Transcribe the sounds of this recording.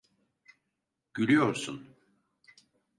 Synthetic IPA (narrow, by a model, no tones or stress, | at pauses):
ɟ̥ylʲyjoɾsun